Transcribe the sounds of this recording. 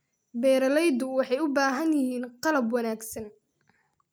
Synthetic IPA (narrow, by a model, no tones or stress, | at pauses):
bɛːɾɐlɛjd̪ʊwɑħɑjʊbaːɦɐnjɪhiːnqɑlɐbwɑnaːɡsɐn